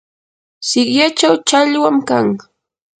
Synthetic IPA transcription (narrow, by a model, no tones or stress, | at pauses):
sɪkjat͡ʃawt͡ʃaʎwamkaŋ